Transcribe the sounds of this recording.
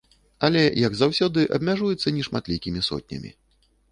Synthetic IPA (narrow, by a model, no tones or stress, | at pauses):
ɐlʲɛjɐɡzawsʲɔd̪ɨʔɐ̰bmʲaʐujɛt̪sːɐnʲiʂmat̪lʲikʲimʲisɔ̰t̪̚ʲnʲɐ̰mʲḭ